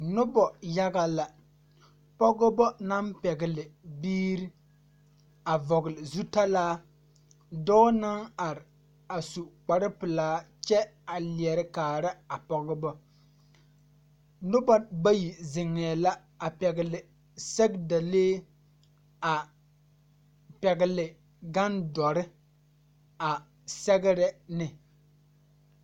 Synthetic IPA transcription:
nʊ˦bɔ˨ja˦ɡa˦la˨ | pɔ˦ɡʊ˦bɔ˦na˦mpɛ˨ɡɪ˨lɪ˨biː˦ɾi˦ | a˨vɔ˨ɡɪ˨lɪ˨zu˦ta˦laː˦ | dɔː˦na˦ŋa˨ɾɪ˨ | a˨su˨k͡pa˨ɾɪ˦pɨ˨laː˨˦ | t͡ʃɛ˦a˨lɪ˨ɛ˨ɾɪ˦kaː˨ɾɪ˦a˨pɔ˦ɡʊ˦bɔ˦ | nʊ˦ba˦ba˦ji˨zɪ˨ŋːɛː˨la˦ | a˨pɛ˨ɡɪ˨lɪ˨ | sɛ˦ɡda˨leː˦ | a˨ | pɛ˨ɡɪ˨lɪ˨ | ɡa˦ndɔ˨ɾɪ˦ | a˨ | sɛ˦ɡɪ˦ɾɛ˦nɪ˨

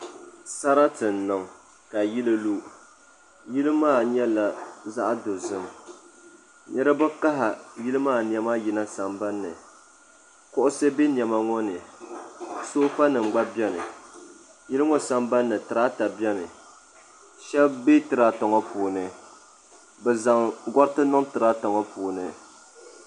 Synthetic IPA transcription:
sa˦ɾa˦tɨ˨n̩ː˨ɨ˨ŋ | ka˨ji˦lɨ˦lu˦ | ji˦lɨ˦maː˦˨ɲɛ˦la˨za˦ʔa˦do˨zɨ˦m | ɲɛ˦ɾɨ˦bɨ˦ka˦ɦa˨ji˦lɨ˦maː˦˨n˨ɛ˦ma˦ji˨na˦sa˨mba˦nːɨ˨ | kʊ˦ʔʊ˦sɛ˦be˦njɛ˨ma˦ŋɔ˦nɨ˨ | soː˦fa˦nɨ˨ŋ͡mɡ͡ba˦bjɛ˦nɨ˨ | ji˦lɨ˦ŋɔ˨sa˨mba˦nːɨ˨tɨ˨ɾa˦ta˨bɛ˦nɨ˨ | ʃɛ˦bbe˦tɨ˨ɾa˦tɔ˨ŋɔ˦puː˨nɨ˨ | bɛ˨za˨ŋɡɔ˦ɾtɨ˦nɔ˦ŋtɨ˨ɾa˦tɔ˨ŋɔ˦puː˨nɨ˨

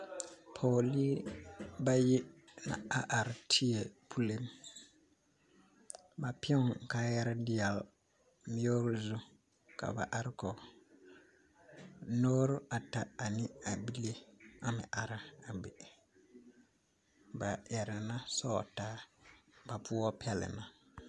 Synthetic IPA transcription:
pʰoː˨liː˦ba˦jɪ˦na̰˨a˦ʔa˨ɾɪ˨tʰi˦e˨pʰu˦le˦m | ba˨pʊ˨kaː˦jɛ˦ɾɪ˦dɪ˦ja˨l | mi˦o˦ɾʊ˦zu˦ | ka̰˨ba̰˨ʔa˦ɾɪ˦kɔ˨ | noː˦ɾʊ˦a˨ta˨a˨nɪ˦a˨bi˦le˦a˦mɪ̰˨ʔa˨ɾa˨a˨bɪ˨ | ba˨jɛ˨ɾɪ˨na˦sɔ̰˦˨taː˦ba˨pʊ˦ɔ˦pɛ˦lɪ̰˨na˨

